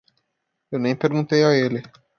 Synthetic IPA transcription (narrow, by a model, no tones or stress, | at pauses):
ewnẽj̃peɾɡũt̪ejaelɪ